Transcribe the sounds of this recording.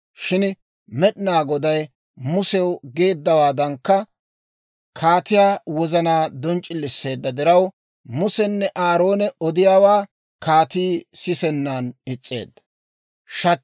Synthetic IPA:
ʃɪn | mɛɗnaːɡɔd̪ɐj | mʊsɛwɡe̞ːd̪ːɐwaːd̪ɐŋkːɐ | kʰaːt̪ɪjaːwɔzɐnaːd̪ɔnt͡ʃʼːɪlːɪsːe̞ːd̪ːɐd̪ɪɾɐw | mʊsɛnːɛʔaːɾo̞ːnɛɔd̪ɪjaːwaː | kʰaːt̪iːsɪsɛnːanɪt͡sʼːe̞̰ːd̪ːɐ̥ | ʃɐ

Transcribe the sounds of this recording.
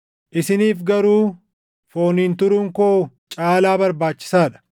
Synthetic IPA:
ʔɪsɪniːfɡɐɾuː | fo̞ːniːnt̪ʊɾʊŋkoː | t͡ʃʼaːlaːbɐɾbaːt͡ʃːɪ̥saːᶑɐ̥

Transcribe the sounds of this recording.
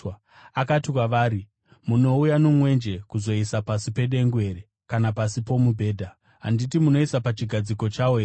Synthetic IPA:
akatikwaʋaːɾi | muno̞ujanomwe̞nd͡ʒe̞kuzo̞isapasipe̞ɗe̞ŋɡwe̞ɾe | kanapasipo̞mubʱe̞ːdʱa | ɦanditimuno̞isapat͡ʃiɡʱad͡ziko̞t͡ʃawoe

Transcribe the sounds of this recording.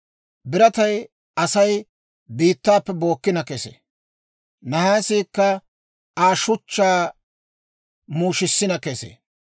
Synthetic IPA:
bɪɾɐt̪ɐj | ɐsɐj | biːt̪ːaːpːɛbo̞ːkːɪnɐkɛsḛ | nɐhaːsiːkːɐ | aːʃʊt͡ʃːaː | muːʃɪsːɪnɐkɛsḛ

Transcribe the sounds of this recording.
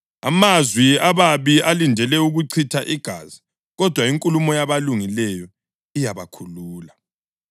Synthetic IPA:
a̰mazwiaβaβialindʱɛlɛuɣuǀʰitʰaʔiɡ̥ʱa̰zi | ɣɔd̥ʱwaiŋkʼulumɔjaβaluŋilɛjɔ | ijaβakʰuluːla

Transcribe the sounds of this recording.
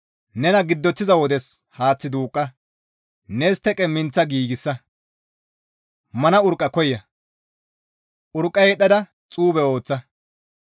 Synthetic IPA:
nɛnɐɡɪd̪ːɔt̪ːɪzɐwɔd̪ɛshaːt͡sːɪd̪uːkʼːɐ | nɛst̪ɛkʼɛmɪnt͡sːɐɡiːɡɪsːɐ | mɐnɐʊɾkʼːɐkɔjːɐ | ʔʊɾkʼːɐjɛɗɐd̪ɐ | t͡sʼuːbɛo̞ːt͡sːɐ

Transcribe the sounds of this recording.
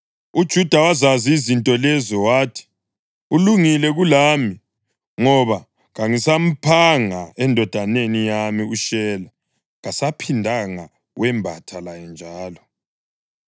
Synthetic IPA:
ud̥ʒ̥ʱud̥ʱawazaziizintʼɔlɛzɔwaːtʰi̥ | uluŋilɛɣulaːmi | ŋɔβa | ɣaŋisam̩pʰaŋaɛndʱɔd̥ʱanenijamiuʃɛla | ɣasapʰindʱaŋa | wɛmbʱatʰalajɛnd͡ʒʱaːlɔ

